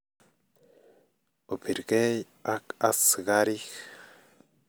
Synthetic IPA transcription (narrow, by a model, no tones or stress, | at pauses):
opʰiɾɡej | akasɡaɾix